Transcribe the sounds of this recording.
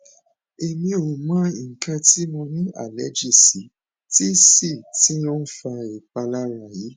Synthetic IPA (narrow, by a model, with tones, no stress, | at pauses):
e˨mĩ˧o˨mã˦i˨ŋ̩˨kã˧ti˦nũ˧nĩ˦a̰˦˨lɛ˦d͡ʒi˦˨si˨˦ | ti˦si˦˨ti˦ɔ˦fa˧e˨k͡pa˧la˦ɾa˦˨ji˨˦